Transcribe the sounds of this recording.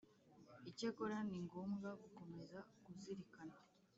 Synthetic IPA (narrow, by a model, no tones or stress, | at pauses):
icekoɾaniŋɡo̞ːmɡaɡuko̞me̞zaɡuziɾikana